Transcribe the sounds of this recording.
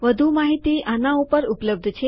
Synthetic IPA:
ʋəd̪ʱumaɦit̪iʔanãupəɾupləb̚d̪ʱt͡ʃʰe

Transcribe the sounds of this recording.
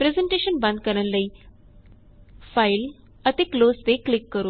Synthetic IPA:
pɾezeɳʈeʃənbɐ̃nd̪̚kəɾəlːəi | fail | ət̪ekloːst̪eklikːəɾu

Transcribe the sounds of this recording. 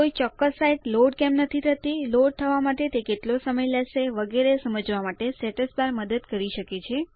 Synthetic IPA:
koit͡ʃɔkːəsːaiʈloɖkɛmnət̪ʰit̪ʰət̪iloɖ̚t̪ʰəʋamaʈet̪ekeʈlosəməjləseʋəɡeɾesəməd͡ʒʋamaʈesɛʈəspaɾməd̪əd̪kəɾiʃəket͡ʃʰe

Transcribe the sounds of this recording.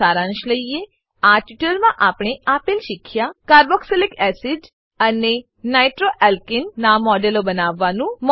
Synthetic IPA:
aɾãnʃləije | aʈiʈəlmãʔapɽeapelʃɪkʰjakaɾbɔkselikɛsiɖ | əne | najʈɾoʔɛlkɪnːamɔɖelobənaʋːanũm

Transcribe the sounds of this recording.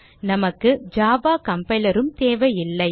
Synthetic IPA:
nɐmɐkːɯd͡ʒaːbaːkɐmpɐɪlɐɾɯmt̪eːʋɐjɪlːɐɪ

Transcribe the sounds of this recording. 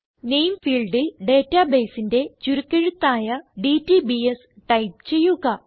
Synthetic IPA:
ne̞jmfiːlɖilɖe̞ːtːɐbe̞ːsinde̞t͡ɕuɾukːeɻut̪ːaːjɐɖitːibies | ʈɐjp̚t͡ɕe̞jːuɣɐ

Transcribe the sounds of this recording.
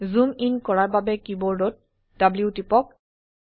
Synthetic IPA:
zuminkɔɹaɹbabɛkibɔɹdot̚ | dabliʊtipɔk̚

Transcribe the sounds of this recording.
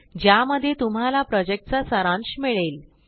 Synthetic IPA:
d͡ʑjaməd̪ʱːjet̪um̤ɦalapɾɔd͡ʑek̚ʈ̚t͡sasəɾãnɕmiɭel

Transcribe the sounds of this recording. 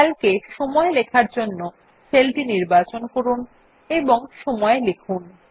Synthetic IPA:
ɛlkeʃɔmɔelekʰaɾd͡ʑonːo | selʈiniɾbat͡ɕonkoɾun | eboŋʃɔmɔelekʰun

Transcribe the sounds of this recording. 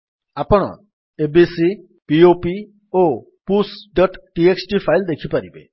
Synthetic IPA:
apəɽ̃ɔ̰ | ebisi | piopi | o | pusɖəʈʈieksʈifʰaild̪ekʰipaɾibḛ

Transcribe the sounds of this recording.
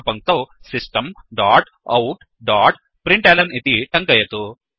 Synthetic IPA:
pɐŋk̚t̪osisʈɐmɖaːʈ | ɐwʈ | ɖaːʈ | pɾiɳʈɐːlɐnit̪iʈɐŋkɐjɐt̪u

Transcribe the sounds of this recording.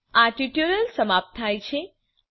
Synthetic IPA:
aʈiʈjuɾəlsəmap̚t̪ʰːajt͡ʃʰe

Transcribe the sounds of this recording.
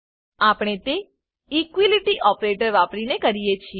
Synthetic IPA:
apɽ̃et̪e | ikʋiliʈiʔɔpɾeʈəɾʋapɽinekəɾijet͡ʃʰie

